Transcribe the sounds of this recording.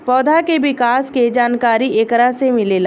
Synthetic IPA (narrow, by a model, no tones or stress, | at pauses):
pɔːd̪ʱakeʋɪkaːsked͡ʒaːnkaːɾiʔekəɾasemɪleːlaː